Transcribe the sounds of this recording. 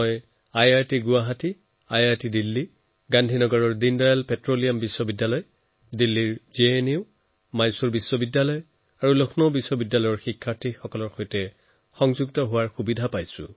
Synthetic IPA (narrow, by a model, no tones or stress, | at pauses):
ɔj | ajaɹtiɡʊaɦati | ajaɹtidilːi | ɡandʱinɔɡɔɹɔɹdindajalpɛtɹolijambisːɔbidːalɔj | dilːiɹzieniʊ | majsuɹbisːɔbidːjalɔj | aɹulokʰnɔbisːɔbidːalɔjɔɹxikʰːaɹtʰixɔkɔlɔɹxojtɛ | xɔŋzuɡtɔɦʊwaɹxubidʱapajsʊ̰̃